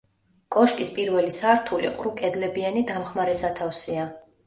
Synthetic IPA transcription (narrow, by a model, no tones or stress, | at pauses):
kʼɔʃkʼispʼiɾvɛlisaɾt̪ʰulḭqʼɾukʼɛd̪lɛbianid̪amχmaɾɛsat̪ʰafsia